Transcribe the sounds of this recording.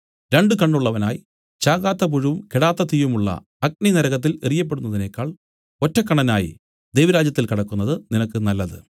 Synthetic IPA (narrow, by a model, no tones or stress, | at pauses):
ɾe̞ɳɖɨkɐɳːuɭːɐʋɐnaːji | t͡ɕaːkaːt̪ːɐp̬uɻuʋumkeɽaːt̪ːɐt̪ijumuɭːɐ̰ | ɐk̚ninɐɾɐɣɐt̪̬ːilerijːɐp̬ːeɽunːɐðine̞kːaːɭ | o̞tːɐkːɐɳɐnaːjḭ | d̪e̞jʋɐɾaːd͡ʑjɐt̪ːilkɐɽɐkːunːɐðɨninɐk̬ːɨnɐlːɐðɨ̰